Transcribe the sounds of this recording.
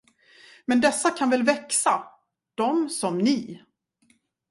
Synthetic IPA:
mɛnd̪ɛsːakʰanvɛlvɛksa | d̪̥ɔmsɔmnɪː

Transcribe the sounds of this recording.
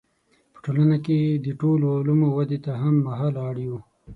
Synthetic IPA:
pə̥ʈolanaked̪əʈolmalumowad̪et̪aɦamːaɦɑlɑɽju

